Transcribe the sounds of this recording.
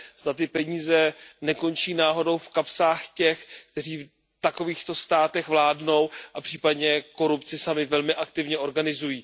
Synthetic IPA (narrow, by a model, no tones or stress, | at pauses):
z̥d̪at̪̬ɪpɛɲiːzɛnɛko̞nt͡ʃiːnaːɦo̞do̞wfkapsaːxcɛxkt̪ɛr̝iːf | t̪ako̞viːxt̪o̞st̪aːt̪ɛɣvlaːdno̞wʔapr̥iːpadɲɛko̞ɾupt͡sɪsamɪvɛlmɪʔakt̪ɪvɲɛʔo̞ɾɡanɪzujiː